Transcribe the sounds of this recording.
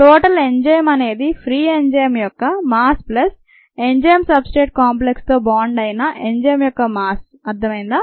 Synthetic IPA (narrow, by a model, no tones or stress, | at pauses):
ʈoːʈɐleɲd͡ʒɐjɐmɐne̞ːd̪ipʰɾiːeɲd͡ʒɐjɐmjɔkːɐmaːsplɐs | eɲd͡ʒɐjɐmsɐbsʈeːʈ̚kaːmp̬lekst̪o̞ːbaːɳɖɐjinɐʔeɲd͡ʒɐjɐmjɔkːɐmaːs | ɐɾt̪ʰːɐmɐjind̪aː